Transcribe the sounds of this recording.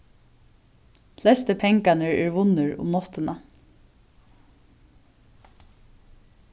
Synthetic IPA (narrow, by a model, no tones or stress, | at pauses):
flɛst̪əpʰɛŋkanəɹɛːɹʋʊnəɹʊ̰mnɔt̪əna